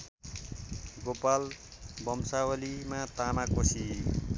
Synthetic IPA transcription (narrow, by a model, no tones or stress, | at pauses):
ɡopal | bʌmsawʌlimat̪amakosi